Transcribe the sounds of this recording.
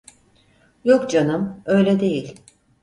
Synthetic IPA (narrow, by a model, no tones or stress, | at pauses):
jokd͡ʒanɯmø̞jlʲɛd̪e̞jilʲ